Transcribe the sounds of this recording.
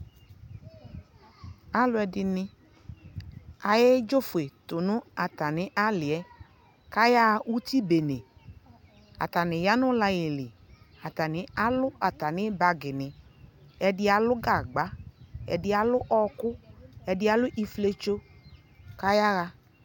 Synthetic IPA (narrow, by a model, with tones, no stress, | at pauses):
a˦lʊ˧˦ɛ˧dɪ˧nɪ̃˧ | a˨je˦d͡ʒo˦fʊ˨e˨tʊ˨nʊ̃˦a˨ta˨nɪ̃˨˦ʔa˦lɪ˨ɛ˦ | ka˦ja˦˧ʔu˦ti˦be˨ne˨ | a̰˨ta˨nɪ˨ja˦nʊ˦la˧jɪ˨lɪ˨ | a˨ta˨nɪ̃˨˦a˦lʊ˦a˨ta˨nɪ˦ba˧ɡɪ˨nɪ̃˨ɛ˧dɪ˦a˨lʊ˦ɡa˨ɡ͡ba˨˦ɛ̰˧dɪ˦a˨lʊ˦ʔɔ˦˧kʊ˦ɛ˧dɪ˦a˨lʊ˦ʔi˧fle˧t͡ʃo˦ | ka˦ja˦ɣa˧